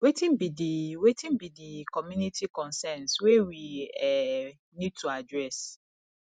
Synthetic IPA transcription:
wetʰĩnbidiwetĩnbidikɔmjũnitʰikɔ̃nsɛ̃nswewiɛ | nĩd̚tʰuadɹɛs

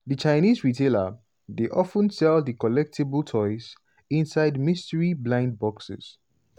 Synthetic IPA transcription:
ðət͡ʃaɪnizɹitʰelə̰ | deʔɔfə̃nsɛlˠdəkɔlɛk̚tʰibəltʰɔɪz | ĩnsaɪdmistəɹiblãɪ̃nd̚bɔksɪ̰s

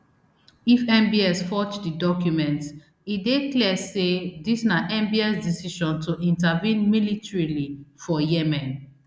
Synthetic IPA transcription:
ifɛ̃mbiɛsfɔt͡ʃdidɔkjumɛ̃nt | idekliɛsedisnaʔɛ̃mbiɛsdisiʃɔ̃ntʰuʔĩntavĩnmilitɹilifɔjɛmɛ̃n

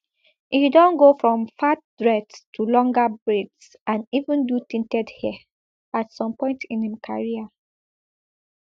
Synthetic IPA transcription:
ʔidɔ̃nɡofɹɔ̃mfat̚dɹɛdstʰulɔ̃ŋɡabɹids | ãnivũndutĩntɛdhɛ | atsɔ̃mpɔ̃ɪ̃ntĩnhimkʰa̰ɹia

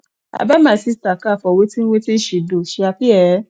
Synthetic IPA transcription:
a̰bamãsistakafɔwetĩwetĩn̩ʃedoʃeafiɛ

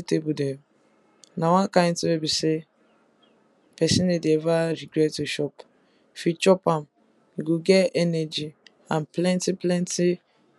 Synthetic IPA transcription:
tebudɛ | nawãkãntuebise | pɛsĩnedeɛvaɾiɡɹɛttːuʃɔp | fit͡ʃɔpãm | iɡuɡɛɛnɛd͡ʒi | ãnplɛ̃ntiplɛ̃nti

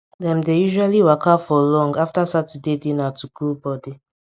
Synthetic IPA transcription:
dɛ̃mdejuʒualiwakafɔlɔ̃ŋɡaftasatidedinatʰukʰulbɔdi

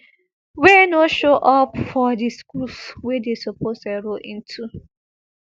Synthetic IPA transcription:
wɛnoʃoʔɔpfɔdiskulswɛdesopostaɾoʔĩntʰu

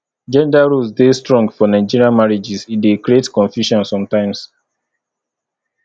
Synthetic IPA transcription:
d͡ʒɛ̃ndaɹusdestɹɔ̃ŋɡfɔnãɪ̃d͡ʒiɹiamaɹid͡ʒisidekɹietkɔ̃nfjuʃɔ̃nsɔ̃mtãɪ̃ms

